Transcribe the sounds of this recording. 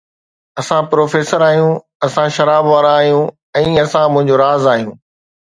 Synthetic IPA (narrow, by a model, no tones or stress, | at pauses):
ɐsãpɾoːfeːsəɾaːɦjũː | ɐsãʃɐɾaːbʋaːɾãaːɦijũ | ɛ̃ːɐsãmʊ̃ɦɪ̃ɲd͡ʑoɾaːzaːɦijũː